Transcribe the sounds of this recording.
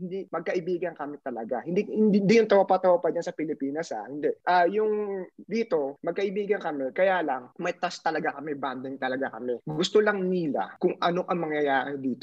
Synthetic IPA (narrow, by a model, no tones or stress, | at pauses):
hɪnd̪imɐɡ̚kɐʔɪbiːɡɐnkɐmɪt̪ɐlɐɡahɪnd̪ihɪnd̪ind̪ijʊŋt̪ɐwapat̪ɐwapɐd͡ʒansɐpɪlɪpiːnɐsa̰hɪnd̪ɛʔʔaːjʊŋd̪iːt̪o̞mɐɡ̚kɐʔɪbiːɡɐnkɐmɛkɐjaːlɐŋmɐjt̪ast̪ɐlɐɡakɐmɛband̪ɪŋt̪ɐlɐɡakɐmɛɡʊst̪olɐŋnila̰kʊŋʔɐnoʔɐŋmɐŋjɐjaːʔɛd̪iːt̪o